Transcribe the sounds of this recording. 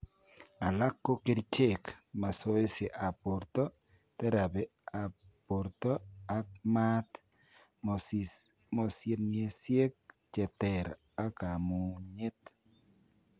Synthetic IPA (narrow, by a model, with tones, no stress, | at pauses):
a˨la˦kːo˦ke˦ɾt͡ʃe˦˨kma˨so˦e˦se˨ʔa˨po˨ɾtɔ˦ | tɛ˦ɾa˨be˨ | a˨po˨ɾt̪ɔ˦a˦k̚ma˦t | mo˨sje˦tne˨sje˦k̚t͡ʃɛ˨tɛ˨ɾ | a˦ka˨mu˨ɲe˦t̪